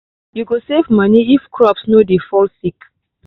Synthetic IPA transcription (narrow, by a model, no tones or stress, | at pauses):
juɡosevmãniifkʰɹɔpsnodefɔlsik